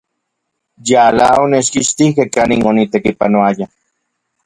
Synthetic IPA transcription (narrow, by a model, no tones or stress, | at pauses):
jalaonet͡ʃkiʃt̪ihkehkaninonit̪ekipanoaja